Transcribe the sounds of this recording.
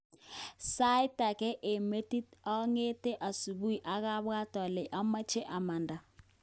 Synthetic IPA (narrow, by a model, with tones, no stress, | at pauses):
sa˦i˦ta˨kɛ˦ʔe˨me˦ti˦tɔ˦ŋe˦te˦ʔa˨su˨bu˦i˨ʔa˨˦ɣa˦βa˦tɔ˨lɛ˨ʔa˦ma˦t͡ʃe˦ʔa˨ma˨nda˨